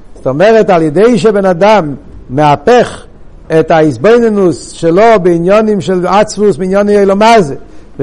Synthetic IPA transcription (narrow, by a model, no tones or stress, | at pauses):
zɔtɔmɛʁɛtalˠjɛdeɪʃ̬ɛbɛnadamːɛapɛχ | ɛtaizboɪnənusʃɛlobɪinjɔnɪmʃɛlˠat͡svusbɪinjɔniejlˠɔmazɛ